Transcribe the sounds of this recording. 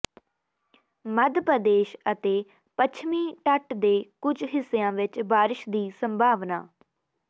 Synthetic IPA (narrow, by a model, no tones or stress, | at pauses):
məd̪pəd̪eːʃət̪eː | pət͡ʃʰmĩːʈəʈd̪eːkʊd͡ʒɦɪsːeːãːʋɪt͡ʃbaːɾɪʃd̪iːsəmbʱaːʋna̰ː